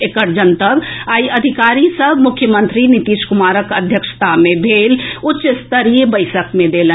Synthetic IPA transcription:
ekəɾd͡ʒənt̪əɡaːiʔɐd̪ʱɪkaːɾisəbmʊkʰjəmə̃nt̪ɾinɪt̪iːʃkʊmaːɾəkəd̪ʱjəkʃt̪amẽbʱeːlʊʃɪst̪əɾijebəɪsəkmẽd̪eːlə̃

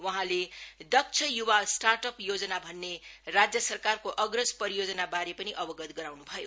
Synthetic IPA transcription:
wʌɦãled̪ʌk̚t͡ʃʰʌjuwasʈarʈʌpjod͡zʌnabʱʌnːerad͡zjʌsʌrkarkoʔʌɡrʌspʌɾijod͡zʌnabaɾepʌniʔʌbʌɡʌt̪ɡʌɾawnubʱʌjo

